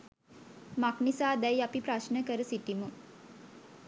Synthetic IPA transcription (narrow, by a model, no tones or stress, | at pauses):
maknisaːd̪æjapipɾaʃnəkəɾəsiʈimu